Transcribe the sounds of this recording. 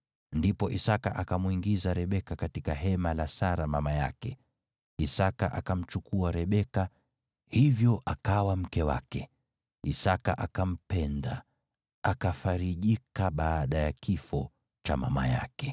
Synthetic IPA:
ndipɔʔisaka̰ʔakamwuiŋɡizaɾɛɓɛkakatikaɦɛmalasaɾamamaja̰kɛ | isaka̰ʔakam̩t͡ʃukuaɾɛɓɛka | hivjɔʔakawam̩kɛwa̰kɛ | isaka̰ʔakam̩pɛnda | akafaɾiʄikaɓaːɗajakifɔ | t͡ʃama̰ma̰ja̰kɛ̥

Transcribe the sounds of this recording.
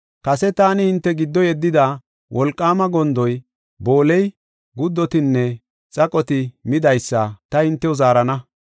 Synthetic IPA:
kɐsɛt̪aːnɪhɪnt̪ːɛɡɪd̪ːɔjɛd̪ːɪd̪a | wʔɔlkʼːaːmɐɡɔnd̪ɔj | bo̞ːlɛj | ɡʊd̪ːɔt̪ɪnːɛ | t͡sʼɐkʼɔt̪ɪmɪd̪ɐjsːɐt̪ɐhɪnt̪ːɛʊzaːɾɐnɐ

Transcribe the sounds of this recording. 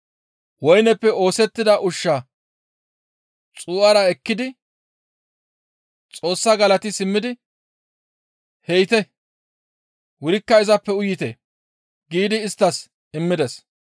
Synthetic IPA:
wɔjnɛpːɛo̞ːsɛt̪ːɪd̪ɐʔʊʃːɐ | t͡sʼuːʔɐɾɐɛkːɪd̪ɪ | t͡sʼo̞ːsːɐɡɐlɐt̪ɪsɪmːɪd̪ɪ | hɛjt̪ɛ | wʊɾɪkːɐɪzɐpːɛʊjːɪt̪ɛ̰ | ɡiːd̪ɪːst̪ːɐs | ɪmːɪd̪ɛs

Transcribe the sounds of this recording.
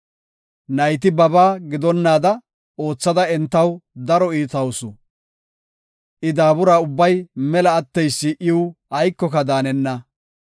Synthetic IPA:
nɐjt̪̬ɪbɐbaːɡɪd̪ɔnːaːd̪ɐ | o̞ːt͡sːɐd̪ɐɛnt̪ːɐwd̪ɐɾɔiːt̪ɐwsʊ | ʔɪd̪aːbʊɾaːʊbːɐjmɛlɐːt̪ːɛjsːɪʔɪwɐjkːɔkɐd̪aːnɛnːɐ

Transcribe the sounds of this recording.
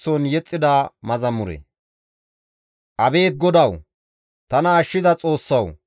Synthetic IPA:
sɔnjɛt͡sʼːɪd̪aːmɐzɐmʊɾɛ̰ | ʔɐbe̞ːt̪̚ɡɔd̪ɐw | t̪ɐnɐːʃːɪzɐt͡sʼo̞ːsːɐw

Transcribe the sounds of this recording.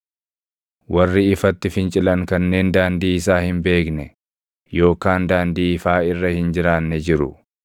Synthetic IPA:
wɐrːɪɪfɐt̪ːɪfɪnt͡ʃʼɪlɐŋkɐnːe̞ːnd̪aːnd̪iːɪsaːhɪmbe̞ːknɛ | jo̞ːkaːnd̪aːnd̪iːɪfaːɪrːɐhɪnd͡ʒɪɾaːnːɛd͡ʒɪɾʊ̰

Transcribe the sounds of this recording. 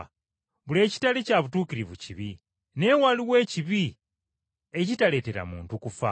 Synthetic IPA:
βule̞ːci̥talecaːβutuːkiɾiβuciβi | ne̞waliwe̞ːciβi | ecitale̞ːte̞ɾa̰mṵːntukufa̰

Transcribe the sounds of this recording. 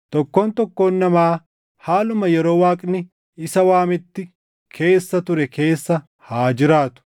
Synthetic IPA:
t̪ɔkːo̞ːnt̪ɔkːo̞ːnːɐmaː | haːlʊmɐjɛɾo̞ːwaːkʼnɪ | ɪsɐwaːmɪt̪ːɪ | kʰe̞ːsːɐt̪ʊɾɛkʰe̞ːsːɐ | haːd͡ʒɪɾaːt̪ʊ̥

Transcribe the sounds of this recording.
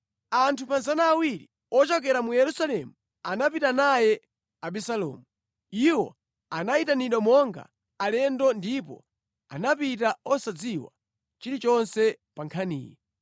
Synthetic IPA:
antʰupanzanaːwiɾi | ɔt͡ʃɔk̬ɛɾamujɛɾusalɛmu | anapitanajɛ | aɓisalɔ̰ːmu | iwɔ̰ | anaitaniɗɔmɔŋɡa̰ | alɛndɔndipɔ̰ | a̰napitaɔsad͡ziwa̰ | t͡ʃiɾit͡ʃɔnsɛ | paŋkʰanḭːjɛ

